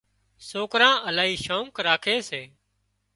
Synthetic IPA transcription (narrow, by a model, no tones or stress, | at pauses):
soːkɾãːʔəlaːiːʃoːŋkɾaːkʰeːseː